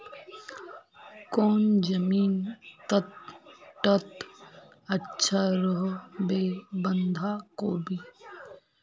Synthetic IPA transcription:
kɔːnd͡ʒəmiːnt̪ət̪ʈət̪ | ətːʃʰaɾəɦobeːbə̃nd̪ʱaːkoːbʱi

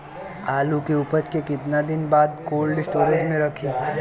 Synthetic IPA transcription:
aːlukeʊpət͡ʃkekɪt̪nad̪ɪnbaːd̪koːlɖɪsʈoːɾed͡ʒmẽɾɐkʰi

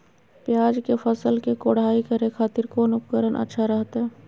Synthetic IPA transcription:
pjaːd͡ʒkefʰəsəlkekoːɽ̤aːikəɾekʰaːt̪ɪɾkonʊpkəɾənʔə̰tːʃʰaɾəɦt̪aɦɛː

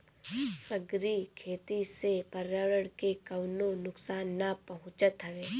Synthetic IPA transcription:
səɡɾikʰeːt̪isepəɾaːɾəɽkekɐwnonʊksaːnːapɐɦʊ̃t͡ʃət̪ɦɐʋeː

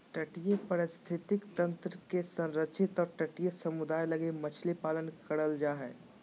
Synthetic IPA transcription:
ʈəʈijəpəɾɪst̪ʰɪt̪ɪkt̪ə̃nt̪ɾəkesə̃nɾətːʃʰɪt̪ɔːɾʈəʈijəsɐmʊd̪aːjlɐɡemɐt͡ʃʰlepaːlənkəɽəld͡ʒaːɦɛ̰ː

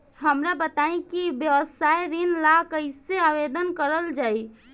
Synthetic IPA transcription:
həmɾabət̪aĩkibjəʋəsajɾinlakəɪseaʋed̪ənkəɾəld͡ʒai

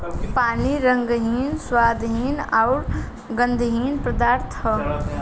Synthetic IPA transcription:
paːniɾə̃ŋɡɦiːnswaːd̪ɦiːnaʊɾ | ɡə̃nd̪ʱɦiːnpɾəd̪aːɾt̪ʰə

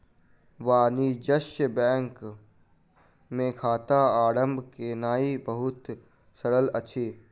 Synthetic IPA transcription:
ʋaːnid͡ʒəʃbɛ̃ːŋk | mẽkʰaːt̪aaːɾə̃mbʱkenaːibəɦʊt̪ | səɾəlɐtːʃʰiː

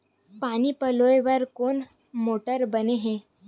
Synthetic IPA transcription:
paɽ̃iːpəlojʋəɾkoɳ | moʈəɾbəneɦe

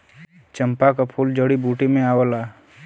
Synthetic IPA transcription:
t͡ʃəmpakapʰuːld͡ʒəɽibuːʈimẽaːwəlaː

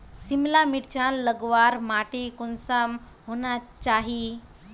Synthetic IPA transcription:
simlamiʈt͡ɕãnləɡʋaɾmaʈekunsəm | ɦonat͡ʃaɦi

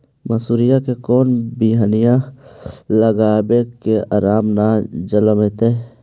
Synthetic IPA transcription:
məsuːɾijakekoːnbiɦanɪjã | ləɡaːbekeaːɾaːmnad͡ʒələmet̪eː

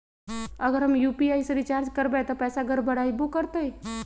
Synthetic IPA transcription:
ɐɡəɾɦɐmjuːpiaːiseɾit͡ʃaːɾd͡ʒkəɾbẽt̪opɛːsaɡʱəɾbəɽaibokəɾt̪əi

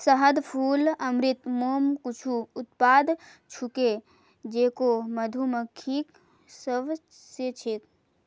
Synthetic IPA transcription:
səɦəd̪pʰuːləmɾit̪moːmkut͡ʃʰuːt̪̚pad̪ | t͡ʃʰuke | d͡ʒeːkoməd̪ʱumekʰiːk | səb | set͡ʃʰek

